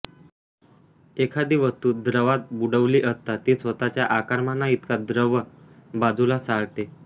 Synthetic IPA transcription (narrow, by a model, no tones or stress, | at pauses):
ekʰad̪iʋəst̪uːd̪ɾəʋat̪̚buɽəʋliːʔəst̪at̪iːsʋət̪at͡ɕjaʔakaɾmanːait̪kad̪ɾəʋə | bad͡zulasaɽt̪e